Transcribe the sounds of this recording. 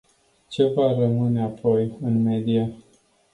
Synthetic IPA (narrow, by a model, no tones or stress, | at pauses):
t͡ʃevarəmɨneapʰojɨnmed̪ia